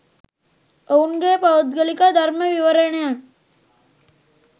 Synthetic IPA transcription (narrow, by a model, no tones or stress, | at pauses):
ounɡeːpaʋud̪ɡəlikad̪ʱaɾməʋiʋəɾenejan